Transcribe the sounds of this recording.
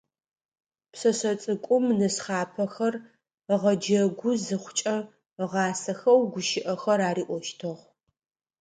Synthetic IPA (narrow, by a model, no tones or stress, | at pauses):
psɐsɐt͡sʼɨkʷʼʊmnɨsχɑːpʰɐxɐr | ʁɐd͡ʒɐɡʷʊzɨχʷt͡ʃʼɐ | ʁɑːsɐxɐwɡʷʊʃɪʔɐxɐɾaːriːʔʷɔʃtʰɨʁ